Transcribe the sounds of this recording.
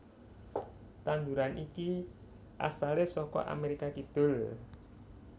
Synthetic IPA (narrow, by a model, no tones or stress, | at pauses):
t̪and̪uɾanʔiki | ʔa̰salesɔkɔ̰ʔa̰meɾikakid̪̥ʊ̤l